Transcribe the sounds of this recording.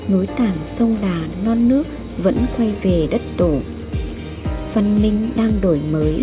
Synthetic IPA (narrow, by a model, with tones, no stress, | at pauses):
no˨˦jt̪aː˨˩ŋsə˧wŋ͡mlaː˨˩nɔ˧nːɨ˦˥ək̚ | və̰˧˥nkwa˧jve˨˩ɗə˦˥t̚t̪o˧˩ | fa˧nːï˧ŋ̟ɗaː˧ŋɗo˧˩jməː˨˦j